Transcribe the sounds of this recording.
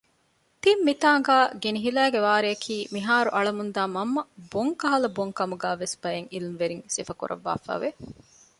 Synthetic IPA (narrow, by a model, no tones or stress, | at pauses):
t̪imːit̪aːŋɡaːɡeniɦilæːɡeʋaːɾeɐkʰiːmiɦaːɾuʔɐɭɐmund̪aːmɐmːɐboŋkɐɦɐlɐboŋkɐmuɡæːʋesb̥ɐjeŋilimʋeɾiŋsefɐkṵɾʔɐ̰ʋːa̰ːfæ̰ːʋe